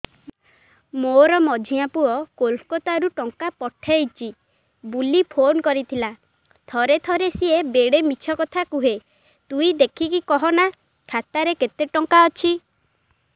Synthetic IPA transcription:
moɾɔmɔd͡ʒʱiapuɔkolkɔt̪aɾuʈɔŋkapɔʈʰejt͡ʃʰi | bulipʰonkɔɾit̪ʰila | t̪ʰɔɾet̪ʰɔɾesiebeɽemit͡ʃʰɔkɔt̪ʰakuɦe | t̪uid̪ekʰikikɔɦɔna | kʰat̪aɾeket̪eʈɔŋkaɔt͡ʃʰi

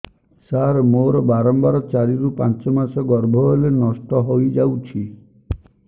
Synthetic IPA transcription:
saɾmoɾɔbaɾɔmbaɾɔt͡ʃaɾiɾupãnt͡ʃɔmasɔɡɔɾbʱɔelenɔstɔɦojd͡ʒawt͡ʃʰi

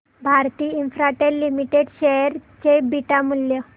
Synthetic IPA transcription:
bʱaɾt̪iːinfɾaʈeɾlimiʈeɖɕeɾt͡ɕebiʈamuljə

